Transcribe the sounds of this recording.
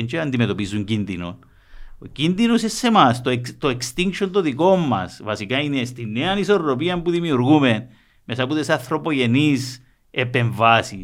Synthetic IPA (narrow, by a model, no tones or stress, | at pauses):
ent͡ʃeɐnd̪ime̞t̪o̞pizːuɲcinðino̰n | ocinðinosesːe̞mast̪okt̪oekst̪iŋkʃont̪oðiko̞mːɐ̰svɐsikainest̪inːeɐnisoɾɾo̞p̬iɐmpuðimiuɾɣume̞n | mesɐput̪esɐθɾo̞po̞ʝe̞nis | epe̞ɱvasi